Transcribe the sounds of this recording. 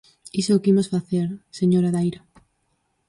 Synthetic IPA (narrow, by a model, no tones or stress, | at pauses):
isʊːkimosfaθeɾseɲoɾaðajɾa